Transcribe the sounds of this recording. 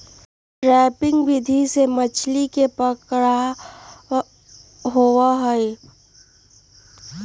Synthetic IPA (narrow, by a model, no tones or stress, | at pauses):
ʈɾɛːpɪ̃ŋɡʋɪd̪ʱisemət͡ʃʰlikepəkɽa | ɦowaɦəe